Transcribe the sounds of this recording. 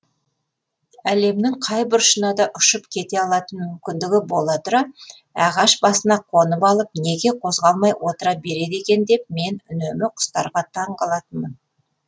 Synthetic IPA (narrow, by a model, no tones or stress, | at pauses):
æle̞mnɪŋqʰɑjbɪɾʃənɑd̪ɑʔʊʃəpkʲʰe̞t̪e̞ɑlˠɑt̪ənmʏmkʲɪnd̪ɪɡʲɪbo̞lˠɑt̪əɾɑ | ɑʁɑʃbɑsənɑqʰo̞nəpɑlˠəp̚ne̞ɡʲe̞qʰo̞zʁɑlˠmɑjwo̞t̪əɾɑbe̞ɾe̞d̪e̞kʲe̞nd̪e̞p̚me̞nʏnemɪqʰʊ̥st̪ɑɾʁɑt̪ʰɑɴqɑlˠɑt̪ənmən